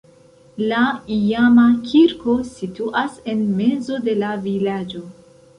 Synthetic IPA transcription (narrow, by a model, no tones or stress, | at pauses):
laijamakʰʲiɾko̞situʔase̞nme̞zo̞de̞lavilad͡ʒo̞